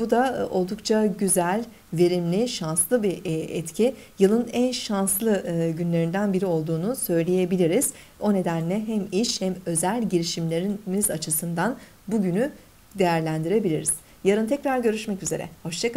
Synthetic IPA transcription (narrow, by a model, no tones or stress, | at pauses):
bud̪ao̞lˠd̪ukt͡ʃʰaɟyzælʲ | ve̞ɾimlʲiʃanslˠɯbiʔɛt̪cʰi | jɯlˠɯnænʃanslˠɯɟynlʲe̞ɾind̪ænbiɾio̞lˠd̪uːnusø̞jlʲeje̞bilʲiɾiz̥ | o̞ne̞d̪ænlʲɛɦæmiʃhɛmø̞zælʲɟiɾiʃimlʲe̞ɾimizat͡ʃʰɯsɯnd̪an | buɟyny | d̪e̞jæɾlʲænd̪iɾe̞bilʲiɾiz̥ | jaɾɯnt̪ʰɛcɾaɾɟø̞ɾyʃmɛcyze̞ɾɛ̰ho̞ʃt͡ʃʰak